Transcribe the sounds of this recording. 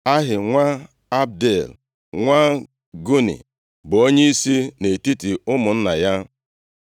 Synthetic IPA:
a˦ɦɪ˨ŋʷa˦ | a˦b̚de˨l | ŋʷa˦ | ɡu˦nḭ˨ | bo˦ɲe˦i˦si˦ne˨ti˦ti˨ʊ˦mʊ˨n̩˦na˨ja˦

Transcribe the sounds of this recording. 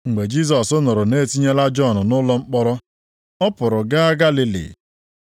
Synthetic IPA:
ŋŋ͡m̩˨ɡ͡be˨d͡ʒi˦s̬ɔ˨sʊ˦nʊ˨ɾʊ˨ne˦ti˦ɲe˦la˦d͡ʒɔ˦˨nʊ˨nʊ˦lɔ˦ŋ͡m̩˦k͡pɔ˦ɾɔ˦ | ɔ˦pʊ˨ɾʊ˨ɡa˦a˦ɡa˦li˦lḭ˨

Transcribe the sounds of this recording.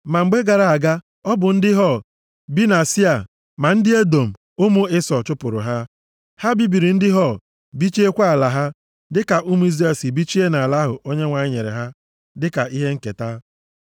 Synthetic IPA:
ma˨ŋ͡m̩˨ɡ͡be˦ɡa˨ɾa˨a˨ɡa˦ | ɔ˦bʊ˨n̩˦dɪ˦ɦɔ˦˨ | bi˦na˨si˦a˨ | ma˨n̩˦dɪ˦e˦do˨m̩˨ | ʊ˦mʊ˦ɪ˦sɔ˨t͡ʃʊ˦pʊ˨ɾʊ̰˨ɦa˦ | ha˦bi˦bi˨ɾi˨n̩˦dɪ˦ɦɔ˦˨ | bi˦t͡ʃe˦kʷa˦a˨la˨ɦa˦ | dɪ˦ka˨ʔu˦mu˦i˦zɾe˨si˨bi˦t͡ʃi˦e˦na˨a˨la˦ɦʊ˨ʔo˦ɲe˦ŋʷa˨ɲɪ˦ɲe˨ɾḛ˨ɦa˦ | dɪ˦ka˨ʔi˦ɦe˦ŋ̩˦ke˨ta˦

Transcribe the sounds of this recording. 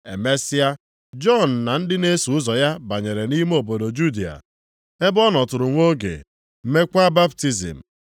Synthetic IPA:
e˨me˦sɪ˦a˦ | d͡ʒɔ˦˨n̩˨na˨n̩˦dɪ˦ne˦su˨ʊ˦zɔ˨ja˦ba˨ɲe˨ɾe˨ni˦m˦o˨bo˨do˨d͡ʒu˦di˨a̰˨ | e˦bɔ˦nɔ˨tʊ˨ɾʊ˨ŋʷo˦ɡḛ˨ | m̩˦me˦kʷa˦ba˦pti˦zḭ˨m̩˨

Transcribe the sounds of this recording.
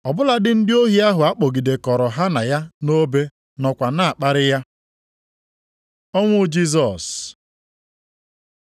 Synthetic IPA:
ɔ˨bʊ˦la˨dɪ˦n̩˦dɪ˦o˦ɦi˦a˦ɦʊ˨a˦k͡po˨ɡi˨de˨kɔ˨ɾɔ˨ɦa˦na˨ja˦no˦be˦ | nɔ˨kʷa˨na˨a˨k͡pa˦ɾɪ˦ja˦ | ɔ˦ŋʷʊ˦d͡ʒi˦s̬ɔ˨s

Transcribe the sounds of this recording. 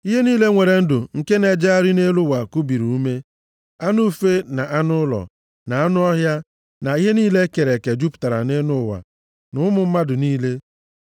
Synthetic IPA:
i˦ɦe˦niː˦le˦ŋʷe˨ɾe˨n̩˦dʊ˨ŋ̩˨ke˦ne˨d͡ʒa˦a˦ɾɪ˦ne˦lʊ˦wa˨ku˦bi˨ɾu˨u˦me˦ | a˦nu˦˨fe˦na˨ʔa˦nʊ˦lɔ̰˨ | na˨a˦nʊ˦ɔ˦ɦja˦ | na˨i˦ɦe˦niː˦le˦ke˨ɾe˨ke˨d͡ʒu˦pʊ̥˨ta˨ɾa̰˨ne˦nʊ˦˨wa̰˨ | nʊ˦mʊ˨m̩˦ma˦dʊ˨niː˦le˦

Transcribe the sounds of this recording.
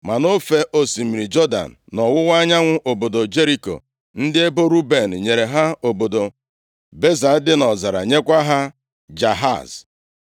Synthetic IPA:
ma˨no˦fe˦ʔo˦si˨mi˨ɾi˨d͡ʒɔ˦da̰˨n̩˨nɔ˨wʊ˦wa˦ɲa˦ŋʷʊ˦ʔo˨bo˨do˨d͡ʒe˦ɾi˦ko̰˨ | n̩˦dɪ˦e˦bo˦ɾu˦be˨n̩˨ɲe˨ɾe˨ɦa˦o˨bo˨do˨ | be˦za˨˦dɪ˦nɔ˨za˨ɾa̰˨ɲe˦kʷa˦ɦa˦ | d͡ʒa˨ɦa̰˦˨z

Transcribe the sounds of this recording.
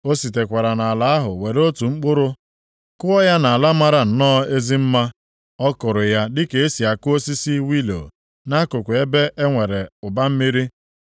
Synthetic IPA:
o˦si˨t̬e˨kʷa˨ɾa˨na˨a˨la˨˦a˦ɦʊ̰˨we˨ɾo˦tu˨ŋ͡m̩˦k͡pʊ˦ɾʊ˦ | kʊ˦ɔ˦ja˦na˨a˨la˦ma˦ɾa˨n̩˨nɔ˦e˦zi˦m̩˦ma˦ | ɔ˦kʊ˨ɾʊ˨ja˦dɪ˦ke˨e˦si˨a˨kʊ˦o˦si˦si˦wi˦lo̰˨ | na˦kʊ˨kʷe˦be˦ʔe˦ŋʷe˨ɾe˨ʊ˨ba˦m̩˦mi˦ɾi˦

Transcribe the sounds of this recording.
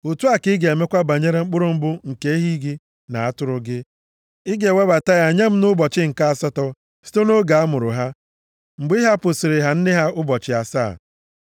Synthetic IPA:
ʊ˨tu˦a˦kɪ˦ɡe˨e˨me˦kʷa˦ba˨ɲe˦ɾe˦ŋ͡m̩˦k͡pʊ˦ɾʊ˦m̩˦bʊ˦ŋ̩˨ke˦i˦ɦi˦ɡi˦ | na˨a˦tʊ˦ɾʊ˦ɡɪ˦ | ɪ˦ɡe˨we˦ba˨ta˦ja˨ɲa˦m̩˦nʊ˦bɔ˨t͡ʃɪ˦ŋ̩˨ka˦a˨sɔ˦tɔ˦ | si̥˦to˦no˦ɡa˨a˦mʊ˨ɾʊ˨ɦa˦ | ŋ͡m̩˨ɡ͡bi˦ɦa˦pʊ˨sɪ˨ɾɪ˨ɦa˨n̩˦dɪ˦ɦa˦ʔʊ˦bɔ˨t͡ʃɪ˨a˨sa̰ː˦˨

